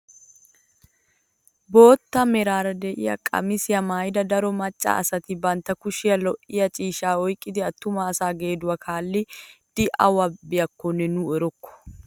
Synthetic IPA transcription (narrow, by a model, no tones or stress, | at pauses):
bo̞ːt̪ːɐmɛɾaːɾɐd̪ɛʔɪ̰jɐ̰kʼɐ̰mɪsɪjɐmaːjd̪ɐd̪ɐɾɔmɐt͡ʃʼːa̰ɐ̰sɐt̪ɪbɐnt̪ːɐkʊʃɪjɐlɔʔɪjɐt͡ʃʼiːʃaːɔjkʼːɪd̪ɪɐt̪ːʊmɐːsaːɡeːd̪ʊwɐkʰaːlːɪd̪̥ɪʔɐwɐbɪjɐkːɔnːɛnuɛɾɔkːɔ̥